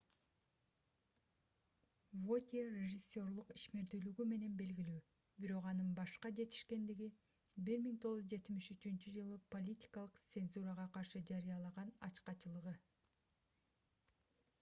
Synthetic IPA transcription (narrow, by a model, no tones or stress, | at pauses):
vot̪ʲerʲeʒɨsʲːo̞rlˠuqiʃme̞ɾd̪yːlyɡyme̞ne̞nbe̞lɡilyː | biɾo̞qɑnɯnbɑʃqɑd͡ʒe̞t̪i̥ʃke̞nd̪iɡi | biɾmiŋt̪ʰo̞ʁuzd͡ʒe̞t̪imiʃyt͡ʃynt͡ʃyd͡ʒɯlˠɯpo̞lʲitʲi̥kɑlˠɯqt̪se̞nzuɾəʁɑqɑɾʃɯd͡ʒɑɾijɑlˠɑʁɑnɑ̰t͡ʃqɑt͡ʃɯlˠɯʁɯ